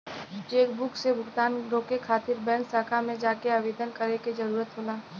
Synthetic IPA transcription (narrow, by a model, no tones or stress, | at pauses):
t͡ʃeːkbʊksebʱʊɡt̪aːnɾoːkekʰaːt̪ɪɾbɛ̃ːnsaːkʰamẽd͡ʒaːkeaːʋeːd̪ənkɐɾeked͡ʒɐɾuːɾət̪ɦoːlaː